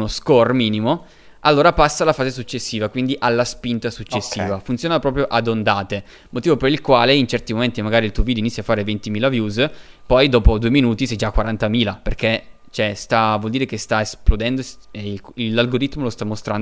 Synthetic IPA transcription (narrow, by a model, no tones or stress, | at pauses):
noskormiːnimo | alːoːɾapasːalafaːzesut͡ʃːesːiːvakwind̪iʔalːaspint̪asut͡ʃːesːiːvafunt̪sjoːnapɾɔːpɾjoʔad̪ond̪aːt̪e | mot̪iːvopeɾilkwaːleint͡ʃɛrt̪imoment̪imaɡaːɾilt̪uovid̪oinitsʲːjafːaːɾevent̪imiːlavjuːzpɔjd̪ɔːpod̪ueminuːt̪isɛjd͡ʒakːwaɾant̪amiːlaperk̟e | t͡ʃɛst̪avwɔld̪iːɾekest̪aesplod̪ɛnd̪oseilːalɡoɾit̪molost̪amːost̪ɾan